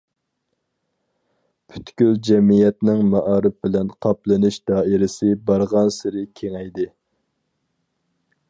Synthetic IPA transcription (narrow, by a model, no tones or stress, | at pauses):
pʰy̥t̪kʲyld͡ʒɛmijɛt̪nɪŋmɑʔɑːɾɨp̚bɪlɛnqʰɑplˠɨnɨʃd̪ɑːɪɾɪsɪbɑɾʁɑnsɪɾɪkʲʰeŋɛjd̪ɪ